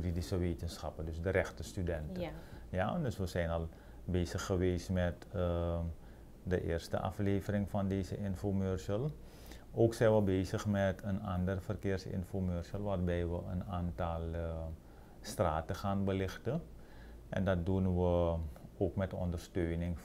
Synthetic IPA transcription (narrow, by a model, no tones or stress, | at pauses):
jyridisəʋeːtənsxɑpədøsdəɾɛxtəstydɛntəja̰døsʋəsɛjnɑlˠ | beːzəxːəʋeːsmɛt | dəʔɪ̰ːrstə̰ʔɑ̰fleːvərɪŋfɑndeːzəʔɪnfomørsəlˠ | ʔoːksɛjnʋəbeːzəxmɛtʰənɑndərfərkɪːrsɪ̰nfomørsəlˠʋaːrbɛjʋəənaːntɑlˠ | straːtəxaːnbəlɪxtə | ʔɛ̰ndɑt̚dunʋəoːkmɛtɔ̰ndərstøːnɪŋ